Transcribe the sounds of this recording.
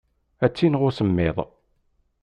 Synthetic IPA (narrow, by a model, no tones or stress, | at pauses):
æt͡sːinʁʊsəmːɪðˤ